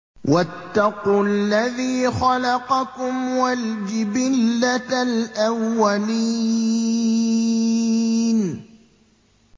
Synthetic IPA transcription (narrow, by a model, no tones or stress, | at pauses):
wat̪ːɑqualːaðiːxɑlɑqɑkʊmwald͡ʒɪbɪlːalʔawːali | n